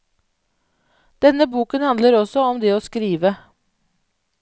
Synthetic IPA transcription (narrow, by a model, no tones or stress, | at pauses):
d̪̥ɛnːəbuːkənhɑnd̪ləɾɔsɔɔmd̪eːoːskɾiːʋə